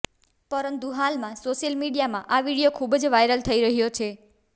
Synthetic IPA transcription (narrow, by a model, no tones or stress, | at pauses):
pəɾənt̪ũɦalmãsoʃəlmiɽijamãʔaʋiɽijokʰubd͡ʒʋajɾəlt̪ʰəiɾəɦjot͡ʃʰe